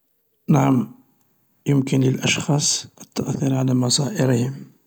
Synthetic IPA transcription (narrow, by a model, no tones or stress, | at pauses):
naʕam | jəmkənləlʔɑʃxɑsˤʔət̪ːaʔθiɾʕalæmɑsˤɑʔɪɾəhəm